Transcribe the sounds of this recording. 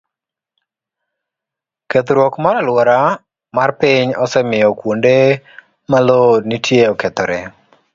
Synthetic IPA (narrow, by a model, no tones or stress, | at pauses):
ket̪ɾwɔkmaɾalwɔɾa | marpɪɲɔsɛmɪjɔkwonde | malodnitʰjeɔkɛt̪ɔɾɛ